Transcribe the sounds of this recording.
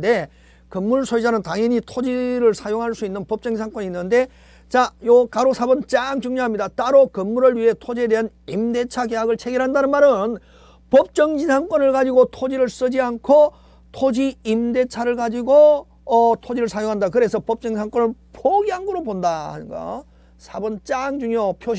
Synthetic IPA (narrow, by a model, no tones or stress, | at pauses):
de̞ | kɯmːuɭsʰoid͡ʑanɯntaŋjʌɲitʰod͡ʑiɾɯɭsʰajoŋɦaɭs͈uinːɯnpʌp̚t͡ɕ͈ʌŋd͡ʑisʰaŋk͈ʌɲiːnːɯnde̞ | t͡ɕajokaɾosʰabɯnt͡ɕakt͡ɕuŋɲoɦamɲidat͈aɾokɯmːuɾɯɭɥiɦe̞tʰod͡ʑie̞de̞ɦanimde̞t͡ɕʰaɡeɦaɡɯɭt͡ɕʰe̞ɡiɾɦandanɯnmaɾɯn | pʌp̚t͡ɕ͈ʌŋd͡ʑisʰaŋk͈ʌnɯɭɡad͡ʑiɡotʰod͡ʑiɾɯɭs͈ɯd͡ʑiankʰo | tʰod͡ʑiimde̞t͡ɕʰaɾɯɭɡad͡ʑiɡo | ʌtʰod͡ʑiɾɯɭsʰajoŋɦandakɯɾe̞sʰʌpʌp̚t͡ɕ͈ʌŋisʰaŋk͈ʌnɯɭpʰoɡiaŋɡɯɾobondaha̰ɲiɡa̰ | sʰabʌnt͡ɕ͈aŋd͡ʑuŋɲjʌpʰjo